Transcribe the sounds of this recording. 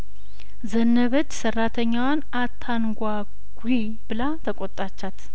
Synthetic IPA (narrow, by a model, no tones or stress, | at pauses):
zənːəβət͡ʃːsərːat̪ʰəɲːawan | at̪ʰːanɡʷa | ɡ̥ʷi | bɨlat̪ʰəkʷʼot̪ʼːat͡ʃːat̪